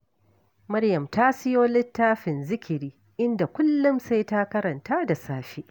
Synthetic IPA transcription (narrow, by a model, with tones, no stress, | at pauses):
mɐ˦ɽjɐ˨mtaː˦sɪ˦joː˦lɪ˦tːaː˦ɸɪ˨nzɪ˦kʲɪ˨ɾiː˦ | ʔɪ˦nda˨kʷʊ˦lːʊ˦msa˦jtaː˦kɐ˦ɾɐ˨ntaː˦da˨saː˦ʃiː˦ʔ